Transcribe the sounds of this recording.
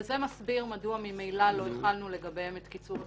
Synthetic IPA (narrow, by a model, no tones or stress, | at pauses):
zemasbiʁmaduamimejlalo̞etχalnule̞ɡabe̞met̪kit͡suv